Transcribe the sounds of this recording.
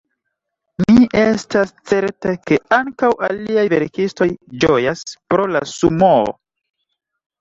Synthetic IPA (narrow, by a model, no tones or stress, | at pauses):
niʔestast͡se̞ɾteke̞aŋkawaliajve̞ɾkisto̞jd͡ʒo̞jaspɾo̞lasumoo̰